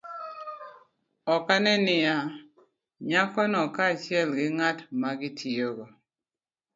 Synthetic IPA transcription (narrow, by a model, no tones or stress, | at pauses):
ɔkanɛnɪja | ɲakɔnɔkat͡ʃɪɛlɡɪŋatmaɡɪtʰioɡɔ